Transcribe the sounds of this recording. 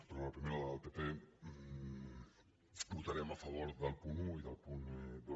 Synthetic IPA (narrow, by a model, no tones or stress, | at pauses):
pɾlapɾimeɾaðalp̪epe | but̪aɾemafaβoɾðalpunuiðalpund̪